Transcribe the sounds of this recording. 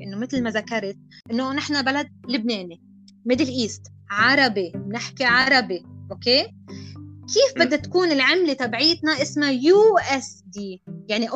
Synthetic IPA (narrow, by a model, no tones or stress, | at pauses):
ʔɪnːomɪt̪lmazakɑɾˤt̪̚ | ʔɪnːonɪħnabalad̪̚lɪbneːni | mɪd̪ɪlʔiːst̪ | ʕɑɾˤɑbimnɪħkiʕɑɾˤɑbiʔokeː | kiːfbɪdd̪ːat̪ḁkuːnɪlʕɪmlet̪abʕiːt̪naʔɪsmajuːʔɛsd̪iːjaʕniʔ